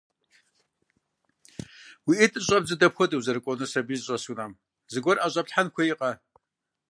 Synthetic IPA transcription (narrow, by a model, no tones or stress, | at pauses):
wiʔɨtʼɨɕʼɐbzɨdɐpxʷɔdɨwzɐɾɨkʷʼɔnɨsɐbizɕʼɐsunam | zɨɡʷɔrʔaɕʼɐpɬħankʷʰɐiqʼɐ